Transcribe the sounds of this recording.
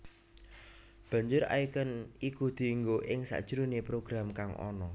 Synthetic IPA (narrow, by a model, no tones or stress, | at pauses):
b̥ä̤ɲd͡ʒʊɾa̰ikənikud̪̥i̤ŋɡoʔɪŋsa̰ʔd̥ʒ̥əɾunepɾoɡ̥ɾamkaŋʔɔ̰nɔ